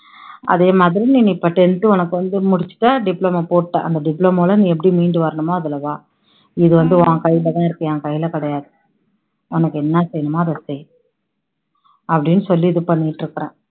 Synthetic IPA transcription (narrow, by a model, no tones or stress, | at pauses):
ʔɐ̰ðeːmaːðɪɾiniːniːpɐʈːɛnt̪ːɯɔnɐkːɯʋɐnd̪ɯmʊɽɪt͡ʃːɯ̥ʈːaːɖɪplomapoːʈʈːã̰ːʔɐ̰nd̪ɐɖɪpːlomoːlɐnĩːɛp̬ːɐɽimiːɳɖɯʋɐɾɐɳɯmoːɐðɯlɐʋãː | ɪðɯʋɐnd̪ɯʋãːkɐjɪlɐt̪ãːɪɾɯkːɐ̃ãːkɐjːɪlɐkɐɽɐjaːðɯ | ɔnɐkːɯɛnːɐsɛjɐnɯmaːɐðɐsɛj | ɐpːɐɽɪnːɯsɔlːiɪðɯpɐɳːɪʈːɾɯkːɐɾẽː